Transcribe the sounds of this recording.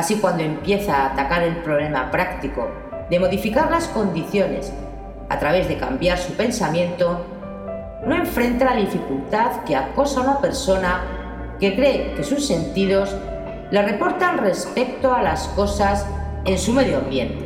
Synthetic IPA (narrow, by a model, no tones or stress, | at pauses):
asikwand̪o̞e̞mpje̞θaːt̪akaɾe̞lpɾo̞βle̞mapɾakt̪iko̞̰ | ðe̞mo̞ðifikaɾlasko̞nd̪iθjo̞ne̞̰s | a̰t̪ɾaβe̞zðekambjaɾsupe̞nsamjẽ̞nt̪o̞ | noẽ̞ɱfɾe̞nt̪alaðifikult̪aðkeako̞saunape̞ɾso̞na | ke̞kɾe̞ke̞susːe̞nt̪ið̞o̞s | le̞re̞po̞ɾt̪anre̞spe̞k̚t̪oalasko̞sas | e̞nsume̞ðjoambje̞̰nt̪e